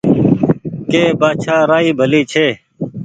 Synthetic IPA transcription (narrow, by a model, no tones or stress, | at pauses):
keːbaːt͡ʃʰaːɾaːiːbʱəliːt͡ʃʰeː